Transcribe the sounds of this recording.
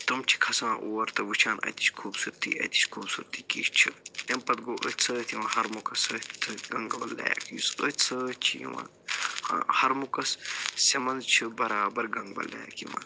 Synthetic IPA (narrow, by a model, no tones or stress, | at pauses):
t̪umt͡ʃʰi̥kʰɐsãːʔoːɐɾt̪ɐbut͡ʃʰaːnʔɐ̰t̪i̥t͡ʃkʰuːbsuɾt̪ḭːʔɐ̰t̪ʲi̥t͡ʃkʰuːbsuɾt̪iːkiːʃt͡ʃʰit̪ʲɐmpɐt̪̚ɡoːʔət̪ʲt͡sʰət̪ʰiʋɐ̃ːhɐɾmukɐsət̪ʰɨɡɐŋɡɐbɐlːa̰ːja̰kijusət͡sʰət͡ʃʰijḭʋɐ̰n̰ | hɐɾmukɐssʲɐmɐnt͡ʃʰibɐɾaːbɐɾɡɐŋɡbɐ̰lːa̰ːjakimɐ̰n